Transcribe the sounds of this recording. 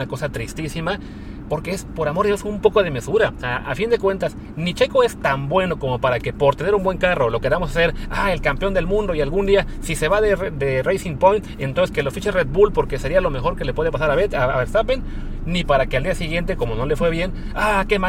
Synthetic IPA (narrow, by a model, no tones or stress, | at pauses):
ako̞sat̪ɾist̪isima | po̞ɾke̞espo̞ɾamo̞ɾðeosumpo̞ko̞ð̞eme̞suɾasʔa̰find̪e̞kwe̞nt̪as | nit͡ʃe̞ko̞e̞st̪ambwe̞no̞ko̞mo̞paɾake̞po̞ɾt̪eneɾumbwe̞ŋkaro̞lo̞ke̞ɾamo̞sase̞ɾae̞lkampeo̞nd̪elmũnd̪o̞ialɣund̪iasise̞βaðed̪erejsiŋpojnt̪ent̪onseske̞lofit͡ʃere̞d̪̚bulpo̞ɾkese̞ɾialo̞me̞xo̞ɾke̞le̞pwe̞ð̞e̞pasaɾaβeaaβest̪apen | nipaɾakeald̪iasiɣje̞nt̪e̞ko̞mo̞no̞le̞fwe̞βje̞n | ake̞ma